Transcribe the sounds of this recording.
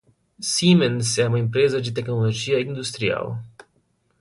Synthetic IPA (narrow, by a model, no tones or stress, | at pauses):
simenseaməimpɾezaʃ̬it̪e̞knolo̞d͡ʒijaind̪ust̪ɾia̰lə̰